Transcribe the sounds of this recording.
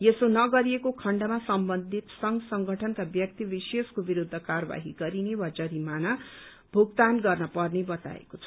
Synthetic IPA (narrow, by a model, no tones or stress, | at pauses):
jesonʌɡʌɾiekokʰʌɳɖʌmasʌmbʌnd̪ʱit̪sʌŋɡʌsʌŋɡʱʌʈʰʌnkabjʌk̚t̪ibiseskobiɾud̪ʱːʌkarʌba̰ɦiɡʌɾinewad͡zʌɾimanʌ | bʱuk̚t̪anɡʌrnʌpʌrnebʌt̪a̰ḛkot͡sʰʌ